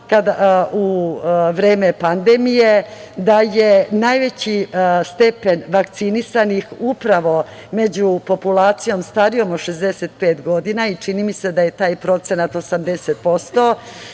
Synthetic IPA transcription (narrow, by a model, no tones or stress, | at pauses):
kad̪auʋɾeːme̞pand̪emije̞d̪ajenajʋe̞t͡ɕist̪e̞pe̞nʋakt̪sinisanixupɾaʋo̞ | me̞d͡ʑupo̞pulaːt̪sijo̞mst̪aɾijo̞moʃe̞zd̪eset̪̚pe̞ːt̪ɡo̞d̪inait͡ʂinimise̞d̪aje̞t̪aːjpɾo̞t̪se̞nat̪o̞samd̪e̞set̪̚po̞st̪o̞